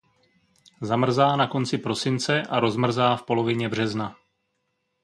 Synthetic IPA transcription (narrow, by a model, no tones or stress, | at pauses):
zamr̩zaːnako̞nt͡sɪpɾo̞sɪnt͡sɛʔaɾo̞zmr̩zaːfpo̞lo̞vɪɲɛbr̝ɛzna